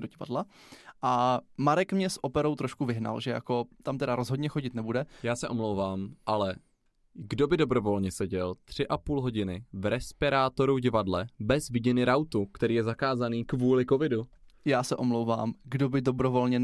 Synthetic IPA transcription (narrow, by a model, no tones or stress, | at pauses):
doɟɪva̰dlaʔamaɾɛkmɲɛsʔo̞pɛɾo̞wt̪ɾoʃkuvɪɦna̰lʒɛja̰ko̞t̪amt̪ɛdaɾozɦodɲɛxo̞ɟɪt̪nɛbudɛjaːsɛʔo̞mlowvaːmʔalɛ | ɡdo̞bɪdo̞bɾo̞vo̞lɲɛsɛɟɛlt̪r̝̥ɪʔapuːlɦo̞ɟɪnɪvɾɛspɪɾaːt̪o̞ɾuɟɪvadlɛbɛzvɪɟɛnɪɾawt̪ukt̪ɛɾiːjɛzakaːzaniːkvuːlɪko̞vɪdujaːsɛʔo̞mlowva̰ːmɡdo̞bɪdo̞bɾo̞vo̞lɲɛ